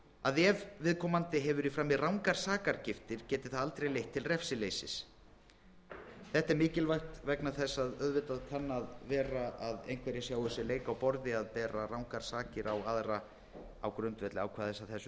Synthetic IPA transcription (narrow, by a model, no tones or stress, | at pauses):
aðɛvvɪðkʰɔmant̪ɪɦɛvʏɾifɾaːmːɪðrawŋkaɾ̥saːkaɾcɪft̪ɪɾ̥cɛːt̪ɪ̥θaðalt̪ɾejlejht̪ʰːɪlrɛfsɪleːjsɪs | θɛht̪ɛɾmɪːcɪlvajht̪vɛknaθɛsːaðœðvɪt̪aðkʰanːaðvɛːɾaaðḛjnkʰvɛːɾjɛsjaːwsɪleːjkawpɔɾðɪaðpɛːɾarawŋkaɾ̥saːcɪɾawaðɾa | awkɾʏnt̪vɛt̪lɪa̰wkʰvaːðθɛsːaθɛsːʏ